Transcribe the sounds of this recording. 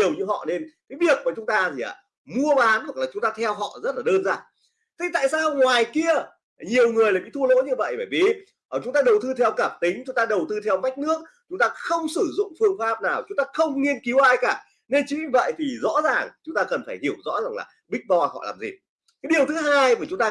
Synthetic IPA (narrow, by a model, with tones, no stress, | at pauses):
i˨˩əwɲɨ˧ɦɔ̰˧˨ne˧nkaː˨˦jɓi˦˥˩ək̚maː˨˩t͡ɕʊ˨˦ŋ͡mt̪aː˧t̪ʰi˨˩ʔa̰ː˨˩ | mu˧əɓaː˨˦nhwklaː˨˩t͡ɕʊ˨˦ŋ͡mt̪aː˧t̪ʰɛ˧wɦɔ̰˧˨zə˦˥t̚laː˨˩ɗəː˧nzaː˧˩n | t̪ʰi˧t̪a̰ː˧˨jsaː˧wŋwaː˨˩jki˧ə | ɲi˨˩əwŋɨ˨˩əjlaː˨˩ɓḭ˧˨t̪ʰu˧lo̰˧˥ɲɨ˧və̰˧˨jɓaː˧˩jvḭ˧˨˩ | ʔːt͡ɕʊ˨˦ŋ͡mt̪aː˧ɗə˨˩wt̪ɨ˧t̪ʰɛ˧wkaː˧˩p̚t̪ï˨˦ŋ̟t͡ɕʊ˨˦ŋ͡mt̪aː˧ɗə˨˩wt̪ɨ˧t̪ʰɛ˧wma˦˥jk̟̚nɨ˦˥ək̚ | t͡ɕʊ˨˦ŋ͡mt̪aː˧xə˧wŋ͡msɨ˧˩zʊ̰˧˨ŋ͡mfɨ˧əŋfaː˦˥p̚naː˨˩wt͡ɕʊ˨˦ŋ͡mt̪aː˧xə˧wŋ͡mŋi˧ənki˨˦wʔaː˧jkaː˧˩ | ne˧nt͡ɕi˨˦ɲɨ˧˩və̰˧˨jt̪ʰi˨˩zɔ̰˧˥zaː˨˩ŋt͡ɕʊ˨˦ŋ͡mt̪aː˧kə˨˩nfaː˧˩jhi˧˩əwzɔ̰˧˥zaː˨˩ŋla̰ː˨˩ɓï˦˥k̟̚ɓɔ˧hɔ̰˧˨la̰ː˨˩mzḭ˨˩ | kaː˨˦jɗi˨˩əwt̪ʰɨ˨˦ɦaː˧jmaː˨˩t͡ɕʊ˨˦ŋ͡mt̪aː˧